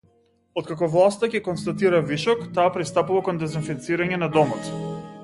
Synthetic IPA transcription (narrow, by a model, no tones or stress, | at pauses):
ɔt̪̚kakɔvlˠast̪akɛkɔnst̪at̪iɾaviʃɔkt̪aːpɾist̪apuvakɔnd̪ɛzinfit̪siɾaɲɛnad̪ɔmɔt̪